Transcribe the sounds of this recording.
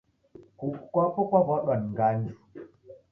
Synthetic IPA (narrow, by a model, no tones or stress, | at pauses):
kukukʷapokʷabɔɗɔnŋɡand͡ʒu